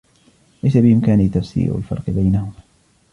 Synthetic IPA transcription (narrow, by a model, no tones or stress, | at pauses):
lajsabɪʔɪmkaːnit̪ːafsḭːɾʊa̰lfɑ̰ɾˤqɨbajnahʊma